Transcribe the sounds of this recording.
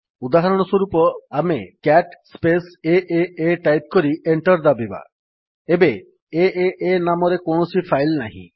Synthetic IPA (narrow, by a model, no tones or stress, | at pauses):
ud̪aɦaɾɔɽ̃ɔswɔɾupɔamḛkɛʈspeseʔeeʈajp̚kɔɾieɳʈɔɾd̪abiba̰ | ebe | eeʔenamɔɾekoɳ̃ɔsʰipʰajlnaɦḭ̃